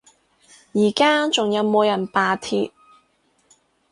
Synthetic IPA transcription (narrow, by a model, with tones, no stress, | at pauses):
jiː˨˩kaː˥t͡sʊ˨ŋjɐ˨˧wmo˨˧jɐ˨˩npaː˨t̪ʰḭː˧p̚